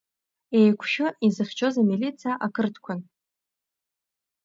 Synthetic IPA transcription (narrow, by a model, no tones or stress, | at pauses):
e̞jkʷʰʃɪizɨχʲt͡ʃʰo̞zamilit͡sʰaʔakʰɨrtʰkʷʰan